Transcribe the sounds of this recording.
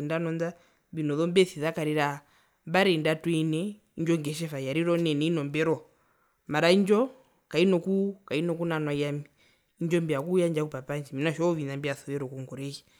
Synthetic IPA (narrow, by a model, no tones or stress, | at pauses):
ndanɔnd͡za | binɔðɔmbɛθiðakaɾiɾa | baɾɛndatwɛnɛ | iɲd͡ʒɔŋɡɛʃ̬ɛfajaɾiɾɔnɛnɛinɔmbɛɾɔ | maɾaiɲd͡ʒɔ | kainɔkukainɔkunanwaiamiː | ɲd͡ʒɔmbiakujand͡ʒakupapand͡ʒiminaʃɔɔʋinambiaθɔʋɛɾɔkuŋɡɔɾɛji